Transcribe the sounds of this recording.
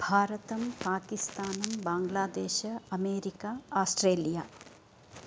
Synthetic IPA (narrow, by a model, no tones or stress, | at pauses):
bʱaːɾɐt̪ɐmpaːkist̪aːnɐmbaːŋɡlaːd̪eːʃɐɐmeːɾikaaːsʈɾeːlijaː